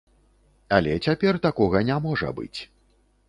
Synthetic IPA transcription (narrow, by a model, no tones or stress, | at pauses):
alʲɛt͡sʲapʲɛrt̪akɔɣɐnʲamɔʐɐ̰bɨ̰t͡sʲ